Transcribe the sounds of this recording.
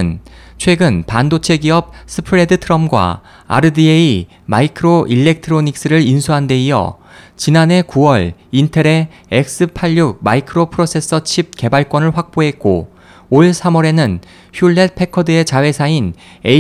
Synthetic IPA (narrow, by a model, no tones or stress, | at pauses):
ɯnt͡ɕʰwe̞ɡɯnpandot͡ɕʰe̞ɡiʌp̚s͈ʰɯpʰɯɾe̞dɯtʰɯɾʌmɡwa̰ | a̰ɾɯdiei | ma̰ikʰɯɾoʔiɭːe̞k̚tʰɯɾoɲik̚s͈ɯɾɯɾinsʰuɦande̞ijʌ̰t͡ɕinane̞kuwʌɭintʰeɾe̞ | ek̚s͈ɯpʰaʎːuk̚ma̰ikʰɯɾopʰɯɾosʰe̞s͈ʰʌt͡ɕʰib̚ke̞baɭkwʌnɯɭɸwak̚p͈oɦe̞t̚k͈o̰ | oɭsʰamʌɾe̞nɯn | çjuɭːe̞t̚pʰe̞kʰʌdɯe̞t͡ɕawe̞sʰain | e